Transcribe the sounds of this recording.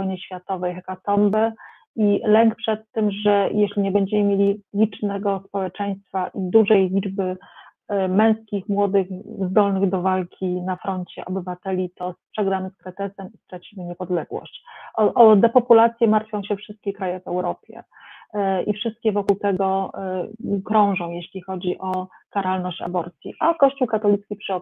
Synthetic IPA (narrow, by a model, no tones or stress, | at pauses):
vɔjɲɘɕfʲjat̪ɔvɛjxɛkat̪ɔmbɛ | ilɛŋkpʂɛt̪ːɘmʐɛjʔeɕlʲiɲɛbɛɲd͡ʑɛmɘmʲjelʲilʲit͡ʂnɛɡɔspɔwɛt͡ʂɛj̃st̪faʔid̪uʐɛjlʲid͡ʐbɘ | mɛ̃w̃skʲixmwɔd̪ɘxzd̪ɔlnɘɣd̪ɔvalkʲʰinafɾɔɲt͡ɕɛ̰ʔɔbɘvat̪ɛlʲit̪ɔspʂɛɡɾamskɾɛt̪ɛsɛmist̪ɾat͡ɕimɘɲɛpɔd̪lɛɡwɔ̰ɕt͡ɕɔʔɔd̪ɛpɔpulat̪sʲjɛmaɾt̪fʲjɔ̃w̃ɕɛfʂɘst̪̚kʲɛkɾajɛvɛwɾɔpʲjɛ̰ | ʔḭfʂɘst̪̚kʲɛvɔkuwt̪ɛɡɔ | kɾɔ̃w̃ʐɔ̃w̃jeɕlʲixɔd͡ʑiʔɔkaɾalnɔɕt͡ɕa̰bɔɾt̪sʲjḭʔakɔɕt͡ɕuwkat̪ɔlʲit̪kʲipʂɘɔ